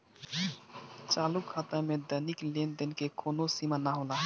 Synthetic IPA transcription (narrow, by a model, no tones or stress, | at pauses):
t͡ʃalukʰat̪əmed̪əniklend̪enkekonosimanaɦola